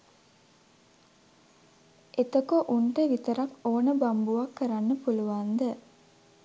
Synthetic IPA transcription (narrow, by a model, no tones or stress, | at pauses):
ʔet̪okoʔuɳʈəʋit̪əɾakoːnəbambuʋakːəɾanːəpuluʋand̪ə